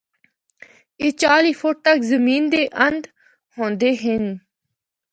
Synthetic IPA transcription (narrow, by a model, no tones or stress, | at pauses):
eːt͡ʃaːliːfʰʊʈ̚t̪əkzəmiːnd̪eːʔə̃nd̪ | hõːnd̪eːɦɪn